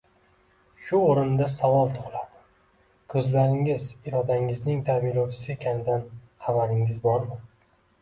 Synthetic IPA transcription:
ʃʊoɾɪnd̪asavɒlˠt̪ʰʊqlˠad̪ɪ | kʰɵzlaɾɪŋɪzɪɾɒd̪aɪŋɪznɪŋt̪ʰamɪlɒwt͡ʃʰɪ̥sɪekʲʰanɪd̪anχɑvaɾɪŋɪzbɒɾma

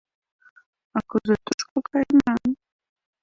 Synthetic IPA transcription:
akʊzʊt̪ʊʃkʊkʰajmaŋ

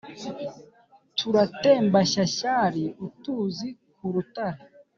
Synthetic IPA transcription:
tʰuɾateːmbaʃaɕaɾiutuːzi | kuɾutaɾe

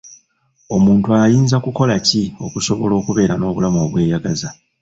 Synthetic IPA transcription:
o̞muːntuajiːnzakuko̞lacio̞̰kuso̞βo̞lo̞ːkuβe̞ːɾano̞ːβulamo̞βwe̞ːjaɡaza

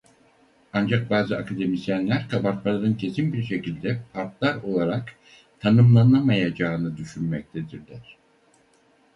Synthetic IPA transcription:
and͡ʒak̚baːzɯakʰad̪e̞misjænlʲæɾkʰabat̪malˠaɾɯncʰe̞sinbiɾʃe̞cilʲd̪ɛpʰaɾt̪lˠaɾo̞lˠaɾak | t̪ʰanɯmlˠanˠamajad͡ʒaːnɯd̪yʃynmɛc̚t̪ʰed̪iɾd̪ʲæɾ̥

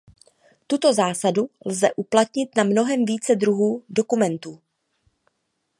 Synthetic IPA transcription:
t̪ut̪o̞zaːsadulzɛʔuplat̪ɲɪt̪namno̞ɦɛmviːt͡sɛd̪ɾuɦuːdo̞kumɛnt̪uː

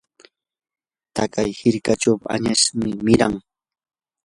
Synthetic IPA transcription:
t̪akajhɪɾkat͡ʃawpa̰ɲaʃmɪmɪɾaŋ

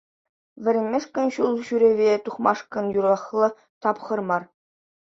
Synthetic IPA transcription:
ʋʲɘ̆ɾʲɘ̆nʲmʲeʂkʲɘ̆nɕulˠɕyɾʲeʋʲet̪uχmɑʂkɤ̆njuɾɑχlˠɤ̆ | t̪ɑpχɤ̆rmɑr

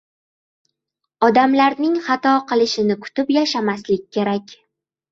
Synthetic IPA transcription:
ɒd̪amlaɾnɪŋχɑt̪ɒqʰɨlˠɪʃɪnɪkʰʊ̥t̪ɪpjaʃamaslɪk̚ʲːʰe̞ɾakʲ

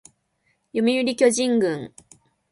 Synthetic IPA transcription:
jomʲiɯɾʲikʲo̞ʑĩŋɡɯ̃ŋ

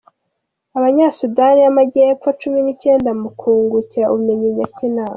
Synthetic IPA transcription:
aβaɲasudanijamaɟeːp̪fat͡ʃuminice̞ːndamukʰuːŋɡuciɾaʔuβumeɲiɲacinaːma

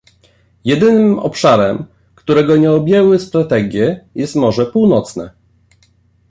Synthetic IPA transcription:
jɛd̪ɘnɘmɔ̰pʂaɾɛm | kt̪uɾɛɡɔɲɛɔbʲjɛwɘst̪ɾat̪ɛɡʲjɛjɛst̪mɔʐɛpuwnɔt̪snɛ

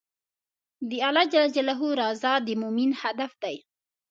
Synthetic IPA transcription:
d̪əɑlɑd͡ʒalad͡ʒalaɦuɾɑzɑd̪əmʊminhad̪afd̪aj

